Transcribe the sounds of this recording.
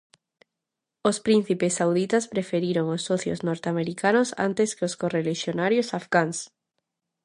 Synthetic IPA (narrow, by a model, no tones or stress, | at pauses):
ospɾin̟θipesːawðit̪aspɾefeɾiɾoŋosːoθjo̰znoɾt̪eameɾikanosa̰nt̪eskeoskoreleʃjonaɾjosafɣaŋs